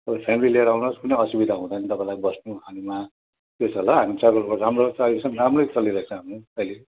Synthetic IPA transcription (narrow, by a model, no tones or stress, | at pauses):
ʌbʌpʰemilileeɾʌawnoskunejʌsibid̪ʱaɦũd̪anʌt̪ʌpãĩlaibʌsnũɦanima | t̪ot͡sʰʌlʌɦamit͡saɡramrot͡saɡɾsʰʌ̃nramrot͡sʌliɾʌɦet͡sʰʌ̃ɦamiʌile